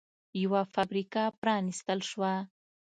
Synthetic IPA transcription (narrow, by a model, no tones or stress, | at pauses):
jawafabɾikɑpɾɑnist̪əlʃwa